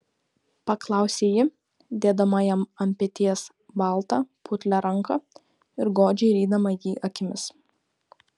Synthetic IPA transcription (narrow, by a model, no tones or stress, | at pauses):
pɐklˠɑˑʊsʲeːjɪ | d̪ʲeːd̪ɐmɐjɛmɐmʲpʲɛt̪ʲiɛs | bɐˑlˠt̪ɐpʰʊt̪ʲlʲɛɾɐŋkɐ | ɪɾɡoːd͡ʒʲɛɪɾʲiːd̪ɐmɐjiːʔɐkʲɪmʲɪs